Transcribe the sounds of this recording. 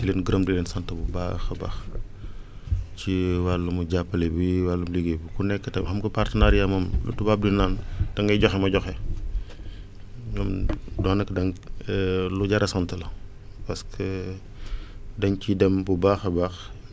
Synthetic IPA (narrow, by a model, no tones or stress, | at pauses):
tileːnɡəɾɐmdileːnsɐntɐbuba̰xɐba̰x | t͡ʃiwalːumuɟapːɐlebiwalːumuliɡebikunɛkːətɐhɐmkɐpartɐnaɾijamɐmlṵtːubap̚dinaːntɐŋɡɐjɟɔxɛmɐɟɔxɛ | ɲɔmdɔːnɐkdɐŋ | luɟaɾɐsɐntɐlɐ | pɐskʰə | dɐŋcidɛmbubaːxɐbax